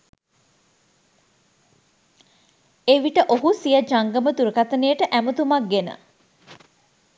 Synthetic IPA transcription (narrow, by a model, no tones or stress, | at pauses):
eʋiʈəʔoɦusijəd͡ʒaŋɡəmət̪uɾəkat̪ənejəʈəʔæmət̪umak̚ɡenə̰